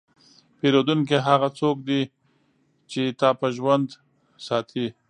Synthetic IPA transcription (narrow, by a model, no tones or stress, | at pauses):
peɾod̪uŋk̬eɦaɣat͡sok̚d̪i | t͡ʃet̪ɑpəʒwand̪ | sɑt̪ʰi